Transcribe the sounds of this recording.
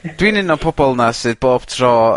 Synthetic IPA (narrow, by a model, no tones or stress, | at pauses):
d̥winɪnɔpʰɔbɔlˠnasɨðboːb̥tʰrɔː